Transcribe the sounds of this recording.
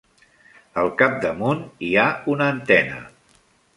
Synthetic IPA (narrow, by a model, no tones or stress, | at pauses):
əlˠkap̚d̪əmuniaunəːnt̪ɛnə̰